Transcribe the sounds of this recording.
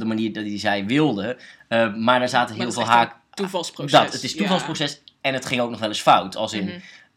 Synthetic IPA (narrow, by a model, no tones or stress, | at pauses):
dəmaniːɹdɔtizɛjʋɪlˠdəəmaːɹdaːɹzaːtəɦɪːlˠvɪːlɦaːk | tuvɑlˠsprodɔtətɪstuvɑlˠsprowsɛsɛnətχɪŋowk̚nɔχʋɛlˠɪsfawtʰɑ̰lˠsɪn